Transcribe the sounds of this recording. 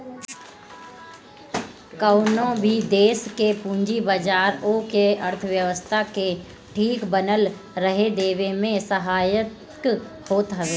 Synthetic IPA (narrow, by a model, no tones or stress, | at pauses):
kaʊnõbʱid̪eːskepũːɲd͡ʒibəd͡ʒaːɾoːkeəɾt̪ʰəʋjəʋəst̪ʰake | ʈʰiːkbənəl | ɾəɦed̪eːʋemẽsəɦaːjət̪ | k | hoːt̪ɦɐʋeː